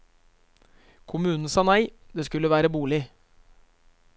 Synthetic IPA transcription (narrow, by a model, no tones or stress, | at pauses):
kʰʊmʉːnn̩sɑːnæɪd̪eːskʉləʋæːɾəbuːlɪ